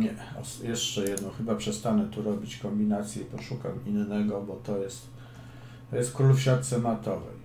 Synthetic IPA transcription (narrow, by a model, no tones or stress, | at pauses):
ɲɛa̰sjɛʂt͡ʂɛjɛd̪nɔwxɘbapʂɛst̪anɛt̪uɾɔbʲit͡ɕkɔmbʲinat̪sʲjɛipɔʂukaminnɛɡɔbɔt̪ɔjɛst̪ | t̪ɔjɛst̪̚kɾulfɕat̪sɛnat̪ɔvɛ̰j